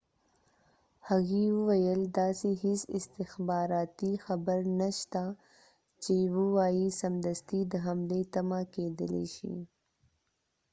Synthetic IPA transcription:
haɣiwəwɐjəld̪ɑsiɦɪsɪst̪ɪxbɑːɾɑːt̪ixɐbəɾnaʃt̪a | t͡ʃewuwɑːjisɐmd̪ɐst̪id̪əɦamlet̪ɐmaked̪əlḛʃḭ

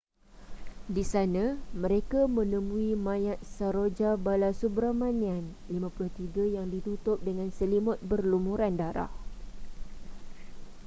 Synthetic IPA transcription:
disanãmə̃ɾekamə̃nə̃mũimãjat̪̚saɾod͡ʒabalasubɾamãnian | limãpulʊht̪iɡajaŋdit̪ut̪ʊp̚dəŋãnsəlimɔt̪̚bərlumuɾandaɾa̰h

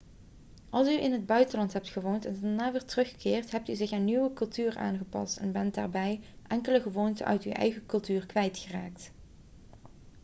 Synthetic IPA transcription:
ʔɑlˠsyʔɪnɦəd̚bœɥtənlɑntɦɛp̚tχəʋowntɛndaɹnaːʋɛɹtərɵχkɪːrtɦɛp̚tyzɪχanːyʋəkɵlˠtyːrʔa̰ːnχəpɑ̰stɛnbɛndaːɹbɛj | ʔɛŋkələχəʋowntə̰ʔœ̰ɥty̰wʔɛ̰jɣəkɵlˠtyːrkʋɛjtxəra̰ːk̚t

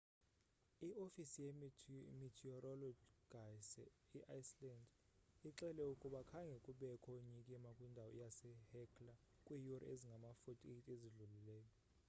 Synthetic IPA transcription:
iʔofisijɛmitʰiɔrɔlɔdɡ̥ʱasɛiʔajslandiǁɛlɛukʼuɓakʰaŋɡʱɛkʼuɓɛkʰɔɲikʼimakʼwindʱawɔjasɛhɛkʰʼla | kʼwijurɔ̰eziŋɡʱamafotʼitʼeziɮulilɛːjɔ

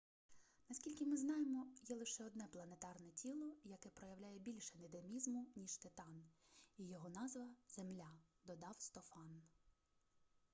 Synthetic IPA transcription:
nɐsʲkʲilʲkʲɪmɪznɑjemɔjɛlˠɪʃɛɔd̪nɛplˠɐnet̪ɑrnɛtʲʰilˠɔjɐkɛpɾɔjɐwlʲajɛbʲilʲʃɐned̪emʲizmʊnʲiʃt̪ɪt̪ɑnijɔɦɔnɑzʋɐz̥emlʲad̪ɔd̪ɑwst̪ɔfɑn

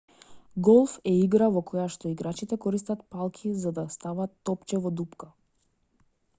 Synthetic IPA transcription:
ɡɔlˠfɛiɡɾavɔkɔjaʃt̪ɔiɡɾat͡ʃit̪ɛkɔɾist̪at̪̚palˠkʰizad̪ast̪avat̪ːɔpt͡ʃɛvɔd̪upka

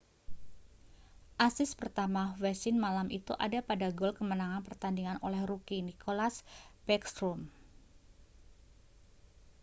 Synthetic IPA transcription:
ʔasɪspərt̪amawɛsɪnmalamit̪ṵʔa̰dapadaɡɔlkəmənaŋanpərt̪andiŋanolɛhɾukinikʰolasbɛkst̪ɾɔm

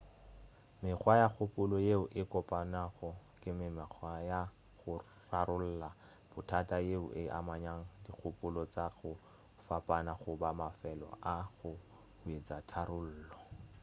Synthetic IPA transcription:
mɪk͡xwajak͡xʰʊpʼʊlɔjeʊʔɪkʼɔpʼanaɣɔkʼɪmɪmɪχʰwaja | ɣʊ | raɾʊl̩la | b̥ʊtʰatʼajeʊ̰ʔɪʔa̰maɲaŋ̩dik͡xʰʊpʼʊlɔt͡saɣʊ | fapʼanaχʊbamafɛlɔ̰ʔaɣʊ | ʊet͡sʼatʰaɾʊl̩ːlɔ

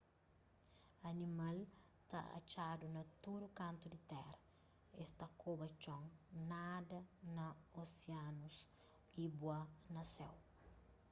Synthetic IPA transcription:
ɐnimal | t̪a̰a̰t͡ʃadunɐt̪uɾukɐ̃nt̪ud̪it̪ɛɾɐ | est̪ɐkobɐt͡ʃɔ̃ŋnadɐnɐoseanus | ibwanɐsɛw

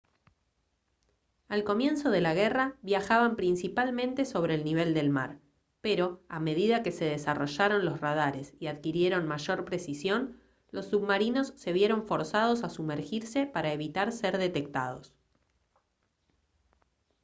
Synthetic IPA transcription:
alko̞mje̞nso̞ðe̞laɣeraβjaxaβampɾinsipalmẽ̞nt̪e̞so̞βɾe̞ːlniβe̞ld̪e̞lma̰ɾ | peɾo̞ame̞ð̞iðake̞se̞ð̞esaro̞ʒaɾo̞nlo̞srað̞aɾe̞siaðkiɾje̞ɾo̞nmaʒo̞ɾpɾesisjo̞n | lo̞sːuβmaɾino̞sːe̞βje̞ɾo̞ɱfo̞ɾsað̞o̞sasumeɾxiɾse̞paɾaeβit̪aɾseɾðe̞t̪e̞k̚t̪a̰ð̞o̞s

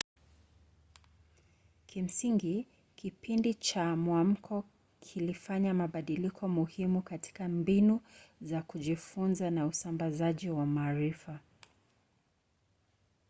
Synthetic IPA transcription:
kʰim̩siŋɡi | kipindit͡ʃamwam̩kʰɔ | kʰilifaɲamaɓaɗilikʰɔmuhimukatʰi̥kambinuzakuʄifunzanausambazaʄiwamaːɾifa

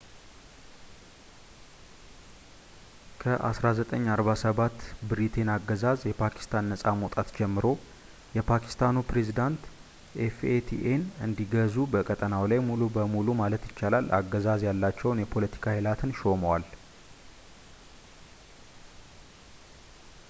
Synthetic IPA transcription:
kʰəʔa̰sɾazət̪ʼəɲːaɾβasəβat̪ːbɨɾit̪ʰenaɡːəzazjɛpʰakʰi̥st̪ʰanːəsʼamot̪ʼat̪d͡ʒɛmːɨɾo̞ | jɛpʰakʰi̥st̪ʰanupɾe̞zid̪ant̪ | ʔefet̪ʰḭʔenɨnd̪iɡəzubəkʼət̪ʼənawlajmulubəmulumalət̪jɪt͡ʃːalalːʔa̰ɡːəzazjalːat͡ʃːɛwnjɛpʰo̞lət̪ʰi̥kʰahɪlat̪ʰɨnʃo̞məwal

